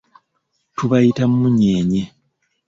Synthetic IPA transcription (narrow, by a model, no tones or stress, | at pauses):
tuβajitammuɲeːɲe